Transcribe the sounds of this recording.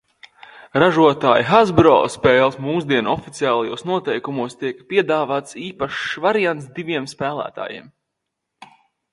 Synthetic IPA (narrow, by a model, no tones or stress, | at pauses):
ɾaʒuɔt̪aːjixazbɾɔ̰ːspɛːlˠsmuːsd̪iɛnɔfit̪sijaːlˠajuːsnuɔt̪ɛjkumuɔst̪iɛkpiɛd̪aːvaːt̪siːpaʃvaɾijant̪sd̪iviɛmspæːlˠæ̰ːt̪a̰ːjḭɛm